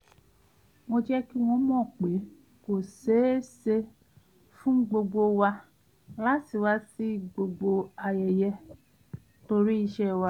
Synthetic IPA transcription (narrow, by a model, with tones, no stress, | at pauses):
mo˧d͡ʒɛ˦ki˦w̃ɔ̃˧mɔ̃˦˨k͡pe˨˦ | ko˨se˨˦se˧ | fũ˦ɡ͡bo˧ɡ͡bo˧wa˧ | la˦ti˨wa˧si˦˨ɡ͡bo˧ɡ͡bo˧a˧jɛ˨jɛ˧ | to˧ɾi˦i˧ʃɛ˧wa˧